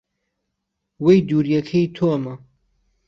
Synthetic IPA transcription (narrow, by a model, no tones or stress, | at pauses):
wejd̪uːɾjɛkʰejt̪ʰoɐmɐ